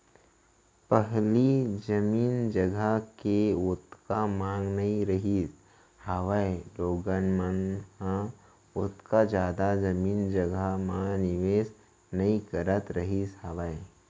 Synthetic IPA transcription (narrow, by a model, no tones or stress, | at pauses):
pəɦlid͡ʒɐmiːnd͡ʒɐɡəkeʊt̪kamãːŋɡnɐĩɾɐɦiːs | haʋaeloːɡənmənhã | ʊt̪kad͡ʒjaːd̪ad͡ʒɐmiːnd͡ʒɐɡəmãnɪʋeːs | nɐĩkɐɾət̪ɾɐɦisɦaʋəe